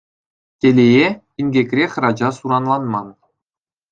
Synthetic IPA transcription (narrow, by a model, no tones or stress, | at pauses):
tʲelʲeje | inʲɡʲekʲrʲexʲrɑd͡ʑɑsuɾɑnlˠɑnmɑn